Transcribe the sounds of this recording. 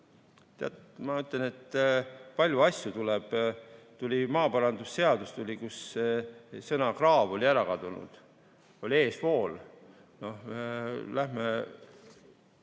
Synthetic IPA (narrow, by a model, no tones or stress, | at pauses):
t̪eɑ̰t̪mɑyt̪ˑlene̞t̪ːpɑlʲjuɑsʲjut̪uleb̥t̪ulʲimɑːpɑɾɑnd̪usse̞ɑd̪ust̪ulʲikus | sɤnɑkrɑːvo̞lʲiæɾɑkɑd̪unṵd̪̥ | o̞lʲie̞ːspo̞ːl | no̞h | læhme